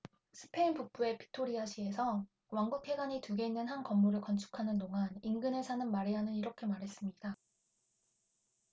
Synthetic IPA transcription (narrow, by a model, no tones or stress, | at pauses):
sʰɯ̥pʰe̞inpuk̚p͈ue̞pʰi̥tʰoɾiaɕʰie̞sʰʌ | waŋɡukʰe̞ɡaɲituɡe̞inːɯnɦankʌmːuɾɯɭkʌnt͡ɕʰu̥kʰanɯnːoŋaninɡɯnɯɭsʰanɯnmaɾiɦanɯniɾʌkʰe̞maɾɦe̞s͈ɯmɲida